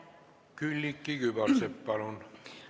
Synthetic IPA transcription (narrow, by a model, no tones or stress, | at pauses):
kylʲːikːiɡ̥ybɑrsepːɑlun